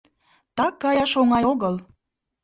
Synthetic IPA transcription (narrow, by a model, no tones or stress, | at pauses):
t̪ɑkːɑjɑʃoŋɑjoɣəl